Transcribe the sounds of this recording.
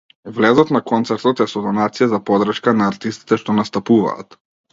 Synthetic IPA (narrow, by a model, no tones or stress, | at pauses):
vlɛzɔt̪nakɔnt̪sɛɾt̪ɔt̪ɛsɔd̪ɔnat̪sijazapɔd̪r̩ʃkanaːɾt̪ist̪i̥t̪ɛʃt̪ɔnast̪apuva̰ːt̪